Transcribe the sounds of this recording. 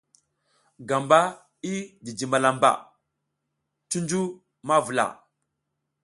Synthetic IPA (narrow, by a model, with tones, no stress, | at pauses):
ɡa˨mba˦ | i˦di˨d͡ʒi˨ma˨la˨mba̰˨ | tu˦nd͡ʒu˦ | ma˦vu˨la̰˨